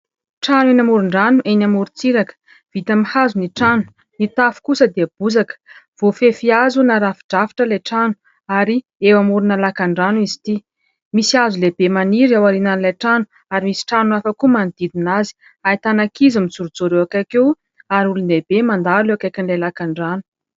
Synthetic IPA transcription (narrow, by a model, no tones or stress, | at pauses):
ʈ͡ʂanuenamuɾuɳɖ͡ʐanuʔenamuɾut͡siɾakə̥ | v̥it̪amihazuniʈ͡ʂanu̥ | nit̪afu̥kusəd̪iəb̥uzakə̥v̥ofefiazunaɾafi̥ɖ͡ʐafi̥ʈ͡ʂəlaʈ͡ʂanu̥ | aɾi | ewamuɾunalakaɳɖ͡ʐanuizi̥t̪i | misiazulebemaniɾawaɾinanlaʈ͡ʂanu̥ | aɾimisi̥ʈ͡ʂanuafəkumanid̪id̪inazi̥ | ait̪anakizumit͡suɾud͡zoɾewakakew | aɾulund̪eb̥emand̪aɾulewakajkinlajlakaɳɖ͡ʐanu̥